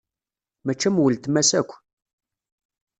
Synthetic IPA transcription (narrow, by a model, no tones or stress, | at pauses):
mæt͡ʃːæmwəlt̪mæsækʷː